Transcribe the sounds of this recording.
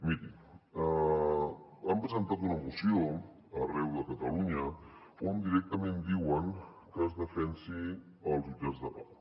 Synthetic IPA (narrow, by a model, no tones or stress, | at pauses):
miɾiə | əmpɾəzənt̪at̪unəmusio | ərɛwðəkət̪əluɲə | ond̪iɾɛk̚t̪əmẽnd̪iwəŋ | kəːzðəfɛnsi | əlˠzud͡ʒazðəβaw